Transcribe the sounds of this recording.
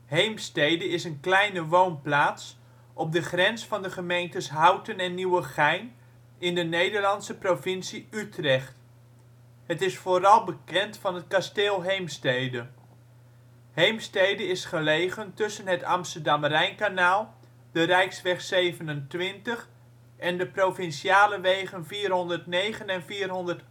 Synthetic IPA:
ɦejmstejdəɪsənklɛjnəʋownplaːts | ʔɔb̚dəχrɛnsfɑndəχəmejntəsɦɑwtənɛnːiwəχɛjn | ɪndənejdəɹlɑnsəprovɪnsiytrɛχt | ɦətɪsfoːɾɑlˠbəkɛntfɑnət̚kasteːlˠɦejmstejdə | hejmstejdəɪsχəlejχəntɵsənɦətɑ̰mstəɹdɑmərɛjnkanaːlˠ | d̥ərɛjksʋɛχsejvənəntʋɪntəχ | ɛndəprofɪnʃiaːləʋejχənviːrɦɔndəɹtnejχənɛnviːrɦɔndəɹt

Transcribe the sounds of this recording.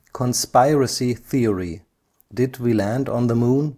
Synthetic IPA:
kʰə̃nspaɪɹɨsiθiəɹi | dɪdwilæ̃nd̃n̩ðəmũn

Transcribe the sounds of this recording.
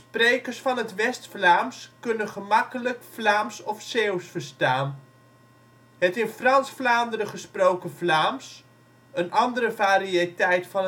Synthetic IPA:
sprejkərsfɑnɦətʋɛstflaːmskɵnənχəmɑkələkflaːmsɔfsewsfəɹstaːn | hətɪnfrɑnsflaːndərəχəsprowkəflaːms | ənʔɑndəɾəvaːɾiətɛjtfɑn

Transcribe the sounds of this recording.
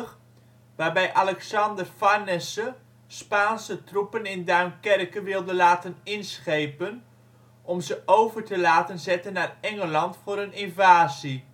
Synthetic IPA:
ʋaːrbɛjʔɑlɛksɑndərfɑrnɛsə | spaːnsətrupənɪndaɥnkɛrkəʋɪlˠdəlaːtənɪnsχejpən | ʔɔmzəʔowvəɹtəlaːtənzɛtənːaːrɛŋəlɑntfʊːɾənɪnvaːzi

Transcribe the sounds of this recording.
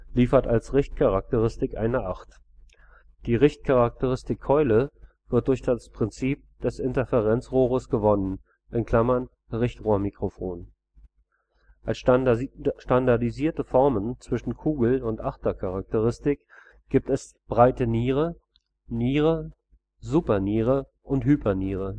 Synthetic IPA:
liːfɐtalsʁɪçt̚kʰaʁak̚təʁɪstɪkʔa̰ɪnəʔaχt | d̥iːʁɪçt̚kʰaʁak̚təʁɪstɪkʰːɔʏlə | v̥ɪɐt̚d̥ʊɐçd̥aspʁ̥ɪnt͡siːp̚d̥ɛsɪntəfɛʁɛnt͡sʁoːʁəsɡ̥əvɔnən | ʔɪnkʰl̥amɐn | ʁɪçtʁoːɐmikʁ̥ofoːn | ʔals | ʃtandaɐdiziːɐtəfɔɐmənt͡sv̥ɪʃn̩kʰuːɡl̩ʊntʔaχtɐkʰaʁak̚təʁɪstɪk | ɡ̥iːp̚tɛs | b̥ʁaɪtəniːʁə | niːʁə | zuːpɐniːʁə | ʔʊnthyːpʰɐniːʁə

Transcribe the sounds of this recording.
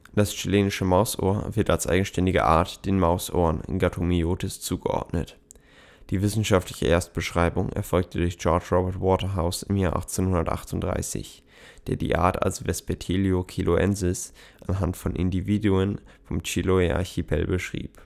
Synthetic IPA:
d̥ast͡ʃileːnɪʃəmaʊsʔo̰ːɐvɪɐtalsʔa̰ɪɡŋ̩ʃtɛndɪɡə̰ʔa̰ːɐtd̥eːnmaʊsʔo̰ːʁənɪ̰nɡatʰomioːtʰɪst͡suːɡəʔɔ̰ɐdnə̰t | d̥iːvɪsn̩ʃaftlɪçə̰ʔeːɐst̚b̥əʃʁ̥aɪbʊŋɛ̰ɐfɔlk̚tədʊɐçdʒ̥ɔɐt͡ʃʁɔbɛɐtwɔːtɐɦaʊsɪmjaːɐʔa̰χt͡seːnhʊndɐtʔa̰χtʊnd̥ʁa̰ɪsɪ̰ç | d̥eːɐdḭːʔa̰ːɐta̰lsv̥ɛspetʰeliokʰilʔoʔɛnzɪs | ʔanɦantfɔnʔɪ̰ndiviːduənfɔmt͡ʃiloeʔa̰çipʰɛ̰lbəʃʁ̥ḭːp

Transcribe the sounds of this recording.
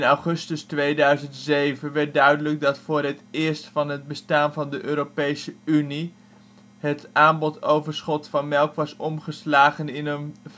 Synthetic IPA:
nawχɵstəstʋejdœɥzəntzejvənʋɛɹt̚dœɥdələɡ̚dɑtfʊːɹɦətɪːɹstfɑnɦəd̚bəstaːnvɑndəʔøːɾopejsəyni | ɦətʔaːmbɔtowvəɹsχɔtfɑnmɛlˠkʋɑsɔmχəslaːχənɪnən

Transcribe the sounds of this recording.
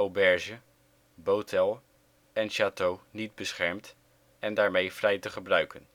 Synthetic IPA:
owbɛɹʒə | bowtʰɛlˠ | ɛnʃaːtownid̚bəsχɛɹmt | ɛndaːɹmejfrɛjtəχəbrœɥkən

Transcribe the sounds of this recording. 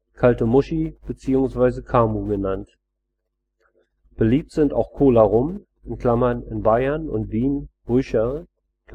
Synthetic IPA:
kʰaltəmʊʃib̥ət͡siːʊŋsv̥aɪzəkʰaːmuɡənant | b̥əliːp̚tz̥ɪnta̰ʊxkʰoːlaʁʊm | ɪnkʰl̥amɐnɪ̰nbaɪɐnʊ̰ntv̥iːnb̥ʁʏçɐ | k

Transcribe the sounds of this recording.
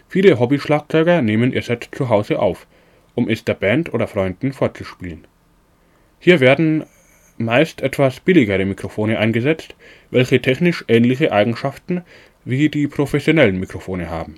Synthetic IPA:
fiːləɦɔbiʃlaːk̚t͡sɔʏɡɐneːmənʔiːɐzɛtt͡suɦaʊzəʔa̰ʊf | ʔʊmʔɛsd̥eːɐbɛntʔoːɾɐfʁ̥ɔʏndn̩foːɐt͡suʃpḭːlən | hiːɐveːɐdn̩ | maɪstʔɛtv̥asb̥ɪlɪɡəʁəmikʁ̥ofoːnəʔaɪnɡəzɛt͡st | vɛlçətʰɛçnɪʃʔɛːnlɪçəʔaɪɡŋ̩ʃaftn̩ | viːdiːpʁ̥ofɛsjonɛlənmikʁ̥ofoːnəha̰ːbm̩

